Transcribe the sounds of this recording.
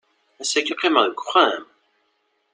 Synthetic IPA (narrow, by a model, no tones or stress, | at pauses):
æsækiqːeməðəɡʷχam